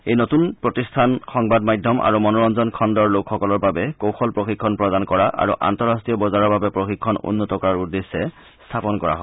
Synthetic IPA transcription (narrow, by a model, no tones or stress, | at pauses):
ejnotunpɹotistʰanxɔŋbadmajdʱːɔmʔa̰ɹumɔnɔɹɔnzɔnkʰɔndɔɹlokʰxɔkɔlɔɹbabɛkowxɔlpɹoxikʰːɔnpɹɔdankɔɹaʔa̰ɹṵʔa̰ntɔɹastɹijɔbɔzaɹɔɹbabɛpɹoxikʰːɔnṵnːɔtɔkɔɹaɹudːesːɛ | stʰapɔnkɔɹa̰ɦɔ